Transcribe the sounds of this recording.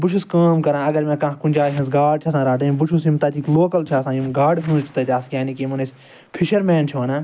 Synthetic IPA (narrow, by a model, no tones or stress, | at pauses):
bʊt͡ʃʰuskaːmkɐɾãːɐɡɐɾmẽːkãːkunʲd͡ʒaːɦĩnsɡaːɖ̚t͡ʃʰɐsãːɾaːʈɐimbut͡ʃʰusimt̪ɐːt̪iːkloːkɐlt͡ʃʰaːsãːimɡaːɖɦũnt͡ʃʰi̥t̪ɐt̪ʲaːskʲjaːnikimunes | pʰiʃɐɾmeːnt͡ʃʰoːnaː